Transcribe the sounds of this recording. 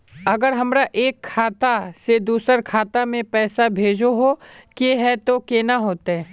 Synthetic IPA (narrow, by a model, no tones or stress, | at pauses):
ɐɡəɾɦɐmɾaʔeːkʰːaːt̪ased̪uːsəɾkʰaːt̪amẽpɛːsabʱeːd͡ʒoɦokeɦɛt̪okeːnaɦoːt̪aɦɛː